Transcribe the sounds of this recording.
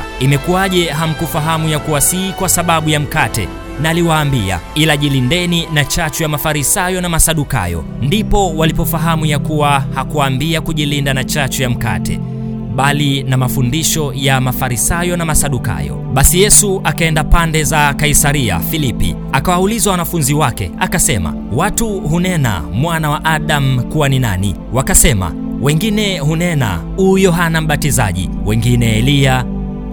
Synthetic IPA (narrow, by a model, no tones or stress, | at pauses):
imɛkuaʄɛɦam̩kufaɦamujakuwasikwasaɓaɓujam̩katɛ̰ | naliwaːmbia̰ilaʄilindɛninat͡ʃat͡ʃɔjamafaɾisajɔnamasaɗuka̰jɔ̰ | ndipɔwalipɔfaɦamujakuwahakuaːmbiakuʄilindanat͡ʃat͡ʃɔjam̩ka̰tɛ̰ | ɓalinamafundiʃɔjamafaɾisajɔnamasaɗuka̰jɔ̰ɓasijɛsuʔakaɛndapandɛzakaisaɾia̰filipḭ | akawaulizawanafunziwakɛ̰akasɛma̰ | watuhunɛna̰mwanawaʔaɗam̩kuwaninanḭ | wakasɛma̰ | wɛŋɡinɛɦunɛna̰ | ujɔɦanam̩ɓatiza̰ʄḭ | wɛŋɡinɛːlia